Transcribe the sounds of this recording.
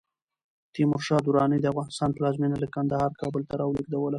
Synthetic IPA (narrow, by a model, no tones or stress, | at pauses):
t̪imʊɾʃɑd̪uɾɑnid̪əafɣɑnɪst̪ɑnplɑzmenalakand̪ahɑɾkɑbəlt̪aɾɑwliɡd̪awəla